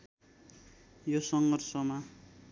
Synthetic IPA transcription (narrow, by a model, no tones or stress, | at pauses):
josʌŋɡʌrsʌma